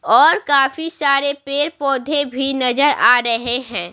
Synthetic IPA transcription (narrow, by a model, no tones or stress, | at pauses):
ɔːɾkaːfisaːɾepeːɾpɔːd̪ʱebʱinɐzəɾaːɾɐɦeɦɛ̃ː